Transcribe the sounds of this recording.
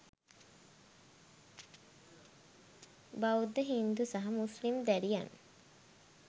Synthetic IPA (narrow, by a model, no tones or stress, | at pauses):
baud̪ːəɦind̪usaɦamuslimd̪æɾijanə